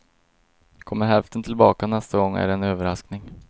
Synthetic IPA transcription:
kʰɔmːəɾɦɛlft̪ənt̪ʰɪlbɑːkanɛst̪aɡɔŋːæ̰ɖɛnøːvəɾasknɪŋ

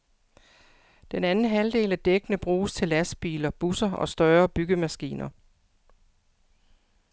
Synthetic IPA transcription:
d̥enænn̩ɦæld̥e̝̰ːlæd̥eɡ̥ənəb̥ʁuːst͡sʰe̝læsb̥ḭːlɐb̥usɐɒ̽sd̥ɶːɐb̥yɡ̥əmæsɡ̥ḭːnɐ

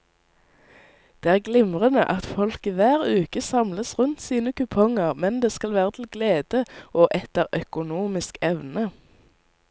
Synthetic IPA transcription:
d̪̥eːæːʁɡlɪmʁənəʔɑt̪fɔlkiːʋæːʁʉːkəsɑmləsʁʉnt̪siːnəkʉpʰɔŋəʁmɛnd̪eːskɑlʋæːʁət̪ʰl̩ɡleːd̪̥əoːʔɛt̪əʁœkʊnuːmɪskɛʋnə

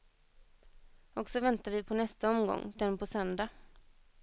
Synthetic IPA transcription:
ɔksɔvɛnt̪avɪpʰɔnɛst̪aɔmɡɔ̰ŋːd̪̥ɛnpʰɔsœnd̪a

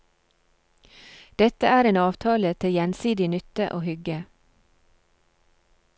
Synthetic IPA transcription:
d̪̥ɛt̪əæːɾeːnɑːʋt̪ʰɑːlət̪ʰɪjɛnsiːd̪ɪnʏt̪əʔo̰ːhʏɡə

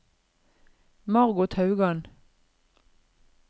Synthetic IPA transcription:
mɑʁɡʊt̪ʰhɑʉɡɑn

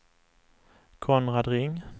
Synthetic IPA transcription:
kʰɔnʁɑd̪ʁɪŋ

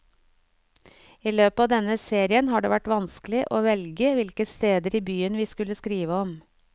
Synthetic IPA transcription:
iːløːpɑːd̪ɛnəseːɾɪənhɑːɖḛːʋæʈʋɑnsklɪʔoːʋɛlɡəʋɪlkəst̪eːd̪əɾiːbyːənʋiːskʉləskɾiːʋəɔm

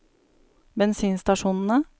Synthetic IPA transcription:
bɛnsiːnst̪ɑʂuːnn̩ə

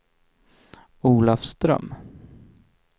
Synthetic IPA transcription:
uːlafst̪ɾœ̰m

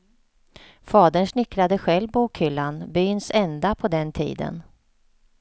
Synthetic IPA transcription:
fɑːd̪əɳʂnɪkːɾad̪əɧɛlvbuːkhʏlːanbʏnsɛnd̪apʰɔd̪ɛnt̪ʰḭːd̪ə̰n

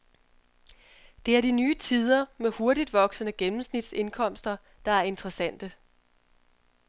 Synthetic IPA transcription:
d̥e̝æɐd̥inyːt͡sʰið̞ˠɐmeho̝ɐɾid̥ʋɒ̽ɡ̥sənəɡ̥enm̩snid̥se̝nkʰɒ̽m̰sd̥ɐ | d̥ɑ̈æɐe̝nd̥ʁɐsæn̰d̥ə

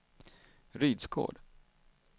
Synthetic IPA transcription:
ɾyːd̪skʰo̰ːɖ

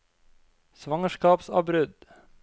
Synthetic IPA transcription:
sʋɑŋəʃkɑːpsɑ̰ːbɾʏd̪

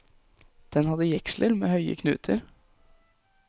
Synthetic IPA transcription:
d̪̥ɛnhɑd̪əjɛkʃlʔəɾmeːhœʏə̰kʰnʉ̰ːt̪ʰəɾ

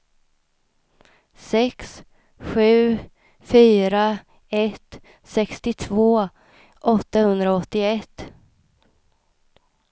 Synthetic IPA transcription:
sɛks | ɧʉ̟ː | fyːɾa | ɛt̪ː | sɛkst̪ɪt̪ʰvoː | ʔɔt̪ːahɵnd̪ɾaɔt̪ːɪɛt̪ː

